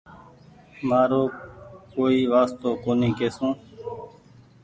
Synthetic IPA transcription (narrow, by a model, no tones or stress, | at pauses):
maːɾoːkoːiːʋaːst̪oːkoːniːkeːsũː